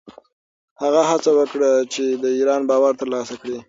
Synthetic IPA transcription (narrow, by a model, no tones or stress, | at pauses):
haɣaɦat͡sawəkɽət͡ʃed̪əiɾɑnbɑwaɾt̪əɾlɑsakɽi